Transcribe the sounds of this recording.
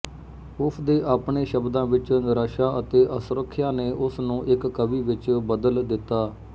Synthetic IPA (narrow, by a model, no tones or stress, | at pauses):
ʊpʰd̪eːʔaːpɳeːʃəbd̪ãːʋɪt͡ʃnəɾaːʃaːət̪eːʔəsʊɾəkʰːjãːneːʔʊsnũːʔɪkːəʋiːʋɪt͡ʃbəd̪əld̪ɪt̪ːaː